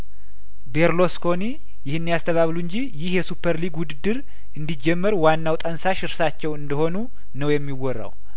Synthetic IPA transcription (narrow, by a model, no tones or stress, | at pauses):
be̞ɾlo̞skʰo̞ni | jɪhɨnːijast̪ʰəβaβluɨɲd͡ʒijɪhjɛsupʰːəɾliɡwʊd̪ɨd̪ːɨɾ | ʔɨnd̪id͡ʒɛmːəɾwanːawt̪ʼənsaʃɪɾsat͡ʃːɛwɨnd̪əho̞nu | nəwjɛmːiwːɔrːa̰w